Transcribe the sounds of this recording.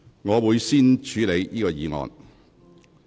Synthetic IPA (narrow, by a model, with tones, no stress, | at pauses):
ŋɔː˨˧wuː˨˧jsiː˥nt͡ʃʰyː˨˧le˨˧jjiː˥kɔː˧jiː˨˧ŋɔ̰ː˨˧n